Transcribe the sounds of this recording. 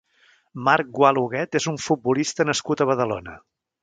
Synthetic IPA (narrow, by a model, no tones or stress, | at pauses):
maɾk̚ɡwalˠuɣɛt̪ezuɱfut̪̚bulist̪ənəskut̪əβ̞əðəlo̰nə̰